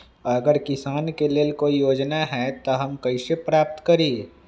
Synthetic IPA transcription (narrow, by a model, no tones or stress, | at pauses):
ɐɾɐɡəɾkɪsaːnkeleːlkoːijoːd͡ʒnaɦɛt̪oɦɐmkɐɪsepɾaːp̚t̪kɐɾiː